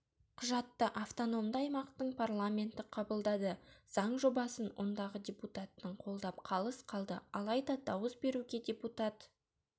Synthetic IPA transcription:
qʰʊʒɑt̪ːəʔaft̪ono̞md̪ɑjmɑqt̪əɴpʰarlˠamʲe̞nt̪ɪqʰɑbəlˠd̪ɑd̪əz̥ɑɴʒo̞bɑsənwʔond̪ɑʁədʲe̞put̪at̪ːəɴqʰo̞lˠd̪ɑpqʰɑlˠəsqʰɑlˠd̪əɑlˠɑjd̪ɑd̪ɑwəsbe̞ɾuɡʲe̞dʲe̞put̪at̪

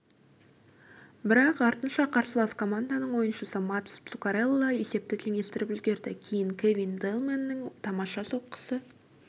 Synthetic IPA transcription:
bɪɾɑqɑɾt̪ənʃɑqʰɑɾsəlˠɑskʰo̞mand̪anəɴwo̞jənʃəsəmat̪ssukaɾelˠːɑje̞se̞p̚t̪ɪt̪ʰeŋʲe̞st̪ɪɾɪpʏzɡʲe̞ɾd̪ɪkʲʰejɪŋkʲʰevʲind̪elˠmenːɪŋt̪ʰɑmɑʃɑso̞qːə̥sə

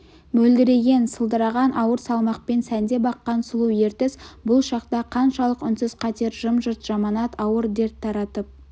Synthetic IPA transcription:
mɵld̪ɪɾe̞ɡʲe̞nsəlˠd̪əɾɑʁɑnʔɑwəɾsɑlˠmɑq̚pe̞nsænd̪e̞bɑqːɑnsʊlˠuje̞ɾt̪ɪsbʊlˠʃɑqt̪ɑqʰɑnʃɑlˠəqʏnsɪzqʰɑt̪e̞ɾʒəmʒəɾt̪ʒ̥ɑmɑnɑt̪ɑwəɾd̪e̞ɾt̪ʰːɑɾɑt̪əp̚

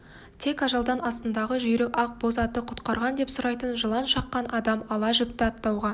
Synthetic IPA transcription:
t̪ʰe̞kɑʒɑlˠd̪ɑnɑst̪ənd̪ɑʁəʒʏjɾekɑq̚bo̞zɑt̪əqʰʊ̥t̪qɑɾʁɑnd̪e̞psʊɾɑjt̪ənʒəlˠɑnʃɑqːɑnʔɑd̪ɑmɑlˠɑʒɪp̚t̪ɪɑt̪ːɑwʁɑ

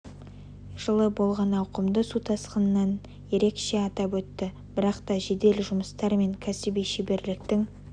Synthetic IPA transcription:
ʒ̥əlˠəbo̞lˠʁɑnɑwqəmd̪əsut̪ʰɑsqənənɑn | je̞ɾe̞kʃe̞ɑt̪ɑpwɵt̪ːɪ | b̥ɪɾɑqt̪ɑʒe̞d̪e̞lʒʊməst̪ɑɾme̞ŋkʲʰæsɪbijʃebe̞ɾlɪk̚t̪ɪŋ

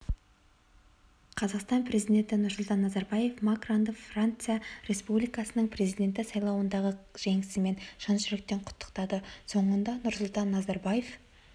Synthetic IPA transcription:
qʰɑzɑqst̪ɑnpɾʲe̞zid̪ʲe̞nt̪ɪnʊɾsʊlˠt̪ɑnːɑzɑɾbɑje̞fmakrond̪əfrant̪sɨjaɾe̞spublijkɑsənəɴpʰre̞zijd̪ʲe̞nt̪̬ɪsɑjlˠɑwənd̪ɑʁəʒ̥e̞ŋɪsɪme̞nʃənʃʒɪɾɪk̚t̪e̞ɴqʰʊ̥t̪ʰːə̥qt̪ɑd̪əso̞ɴənd̪ɑnʊɾsʊlˠt̪ɑnːɑzɑɾbaje̞f

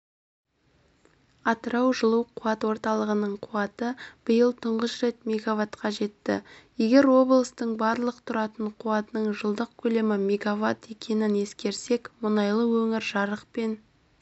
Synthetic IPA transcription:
ɑt̪əɾɑwʒəlˠəwqʰuɑt̪wo̞ɾt̪ɑlˠəʁənəɴqʰuwɑt̪əb̥ɪjəlˠt̪ʰʊɴʁəsɾe̞t̪mʲeɡavat̪qʰɑʒe̞t̪ːɪ̰je̞ɡʲe̞ɾwo̞blˠəst̪əɴbɑɾlˠəqt̪ʰʊɾɑt̪əɴqʰuɑt̪ənəɴʒəlˠd̪əq̚kʲʰɵle̞mɪmeɡavat̪e̞kʲe̞nɪne̞skʲe̞ɾse̞kmʊnɑjlˠəwɵŋɪɾʒɑɾəqpe̞n

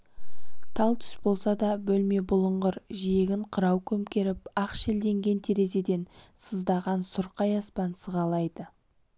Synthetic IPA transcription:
t̪ʰɑlˠt̪ʰʏ̥sbo̞lˠsɑd̪ɑbɵlme̞bʊlˠəɴʁəɾʒije̞ɡʲɪɴqʰəɾɑwkʲʰɵmkʲe̞ɾɪpɑqʃeld̪e̞ŋɡʲe̞nt̪ʰeɾe̞ze̞d̪e̞nsəzd̪ɑʁɑnsʊɾqɑjɑspɑnsəʁɑlˠɑjd̪ə

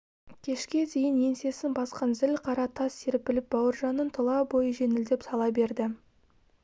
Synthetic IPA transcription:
kʲʰe̞ʃkʲe̞d̪e̞jɪnje̞nse̞sɪnbɑsqɑnzɪlqʰɑɾɑt̪ʰɑsːeɾɪpːɪlɪp̚bɑwəɾʒɑnːənt̪ʰəlˠɑbo̞jəʒe̞nɪld̪e̞psɑlˠɑbe̞ɾd̪ɪ

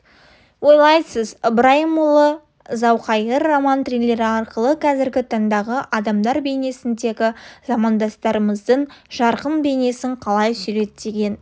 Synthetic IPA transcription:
wo̞jlˠɑjsəzbɾɑjmulˠə | zɑwqɑjəɾːamant̪rijlːe̞ɾɪɑɾqəlˠəqʰɑzɪɾɡʲɪt̪ʰɑɴd̪ɑʁəʔɑd̪ɑmd̪ɑɾbe̞ne̞sɪnd̪e̞ɡʲɪzɑmɑnd̪ɑst̪ɑɾəməzd̪əɴʒɑɾqənbe̞ne̞sɪŋqʰɑlˠɑjsʏɾe̞t̪ːe̞ɡʲe̞n

